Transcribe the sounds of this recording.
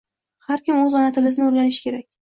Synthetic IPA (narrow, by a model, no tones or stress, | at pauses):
haɾkʲɪmɵzɒnat̪ʰɪlɪznɪoɾɡʲanɪʃɪ̥kʲʰe̞ɾakʲ